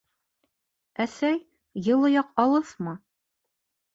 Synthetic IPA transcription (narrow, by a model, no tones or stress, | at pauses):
æsæj | jɤ̆lˠŏjɑqɑlˠɤθmɑ